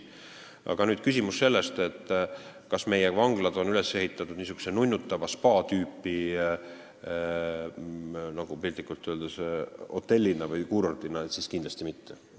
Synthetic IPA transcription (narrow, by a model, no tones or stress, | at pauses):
ʔɑ̰ɡ̥ɑnyːd̪̥kysʲimusːe̞lːe̞st̪e̞t̪ːˑ | kɑsme̞jevɑŋɡ̥lɑd̪̥o̞nyle̞se̞ɦit̪ːˑɑt̪ːˑud̥̪nis̬uɡ̥u̥senunʲːut̪ːˑɑvɑspɑːt̪yːpːi | nɑɡ̥upilʲt̪ːˑikːˑult̪ːˑøld̪̥eso̞̰t̪ːˑe̞lʲːinɑvɯjkuːɾort̪inɑet̪siskind̪lɑsʲt̪imit̪ːe